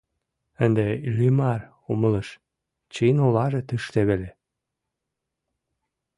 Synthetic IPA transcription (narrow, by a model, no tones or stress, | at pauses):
ənd̪eylʲimɑr | omələʃ | t͡ɕenolɑʒet̪əʃt̪eβele